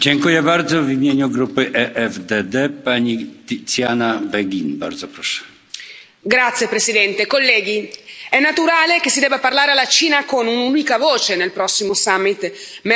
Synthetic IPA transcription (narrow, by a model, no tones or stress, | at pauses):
d͡ʑɛŋkujɛbaɾd̪zɔvimʲjeɲuɡɾupɘʔɛʔɛvd̪ɛd̪ɛpaɲit̪it̪sjanabɛɡʲinba̰ɾd̪zɔpɾɔʂɛ̥ | ɡɾat̪sːjepɾesid̪ɛnt̪ekolːɛːɡ̟iɛnːat̪uɾaːlekesːid̪ɛːbaparlaːɾealːat͡ʃiːnakonununikavoːt͡ʃenelpɾɔsːimosamːit̪ | m